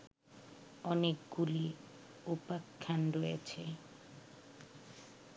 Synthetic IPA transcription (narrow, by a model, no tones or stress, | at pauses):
ɔnekɡuli | upakʰːanɾojet͡ɕʰe